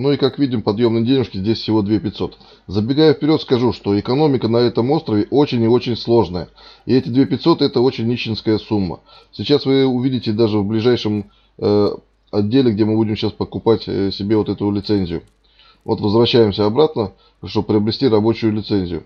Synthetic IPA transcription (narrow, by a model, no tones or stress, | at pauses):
nuikakvʲidʲɪmpɐd̪jo̞mnɨjdʲenʲɪʂkʲɪzʲdʲesʲfsʲɪvo̞d̪vʲepʲɪt̪ʲso̞t̪ | zəbʲɪɡajʊfpʲɪɾʲo̞t̪skɐʐuʂt̪o̞ɪkɐno̞mʲɪkənɐɛt̪əmo̞st̪ɾəvʲɪʔo̞t͡ɕɪnʲɪo̞t͡ɕɪnʲslˠo̞ʐnəjə | ɪɛtʲɪd̪vʲepʲɪt̪ʲso̞t̪ɛt̪əo̞t͡ɕɪnʲːit͡ɕːɪnskəjəsumːə̰ | sʲɪt͡ɕasvɨʊvʲidʲɪtʲɪd̪aʐɨvblʲɪʐajʂɨm | ɐdʲːelʲɪɡdʲe̞mɨbudʲɪmɕaspəkʊpatʲsʲɪbʲevo̞t̪ɛt̪ʊlʲɪt̪sɛnʲzʲɪjʊ | vo̞̰t̪vəzvɾɐɕːæjɪmsʲəɐbɾat̪nə | ʂt̪o̞bəpɾʲɪɐbɾʲɪsʲtʲiɾɐbo̞t͡ɕʊjʊlʲɪt̪sɛnʲzʲɪjʊ̰